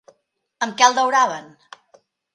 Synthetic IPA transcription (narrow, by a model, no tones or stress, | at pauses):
əmkɛəlˠd̪əwɾaβən